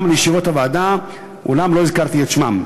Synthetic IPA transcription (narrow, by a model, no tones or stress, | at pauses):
mlijʃivot̪avaːd̪a | ʔṵlamlo̞izkaʁt̪iet̪ʃma̰m